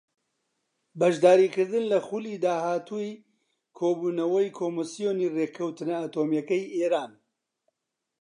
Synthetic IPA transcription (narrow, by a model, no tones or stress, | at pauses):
bɐʒd̪aːɾiːkɨɾd̪ɨnlɐxuliːd̪aːɦaːt̪ʰuj | kʰoːbuːnɐwɐjkʰoːmɨsijoːniːrekʰɐwt̪ɨnɐat̪oːmjɐkɐjeːɾaːn